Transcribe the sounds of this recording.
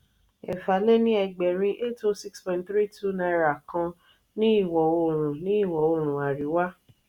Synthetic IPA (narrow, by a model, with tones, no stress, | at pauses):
ɛ̰˨fa˨˦le˦nĩ˦ɛ˧˨ɡ͡bɛ˨ɾ̃ĩ˧ʔe˦to˧si˦kspɔ̃˨˦tθɾi˦tu˦nã˧ɾa˨kã˧ | nĩ˦i˦˨wɔ˨o˧˨ɾ̃ũ˨nĩ˦i˦˨wɔ˨o˧˨ɾ̃ũ˨a˨ɾi˨˦wa˦